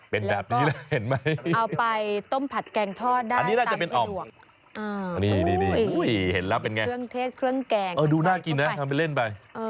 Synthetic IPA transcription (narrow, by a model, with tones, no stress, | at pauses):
pe˧nbɛː˨˩p̚nː˦˥lɛ˦˥he˩˦nma˦˥ja˧wpa˧jt̪o˥˩mpʰa˨˩t̪̚kɛː˧ŋt̪ʰɔː˥˩daː˧a˧n˩niː˦˥naː˥˩t͡ɕa˨˩pe˧nʔʔɔː˨˩dmu˨˩ə | ʔaː˧niː˧˥˩niː˥˩niː˥˩˧u˦˥˩jhe˩˦nlɛː˦˥wpe˧nŋa˧jɯ˥˩əŋt̪ʰeː˥˩t̪̚kʰɾɯ˥˩əŋkɛː˧ŋʔɤː˧˩duː˧naː˥˩ki˧nːa˦˥tʰa˧mpa˧jle˥˩npa˧jʔɤː˧